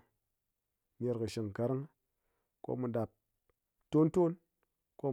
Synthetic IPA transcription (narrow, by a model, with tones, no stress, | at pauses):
ne˨˧ɾkɨ˨ʃi˨ŋ˨ka˨˦ɾi˦ŋ | ko̰˦mu˨da˨p̚ | to˦nto˦n | ko˦